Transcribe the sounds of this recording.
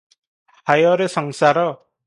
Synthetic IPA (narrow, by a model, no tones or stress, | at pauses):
hajɔɾesɔŋsaɾɔ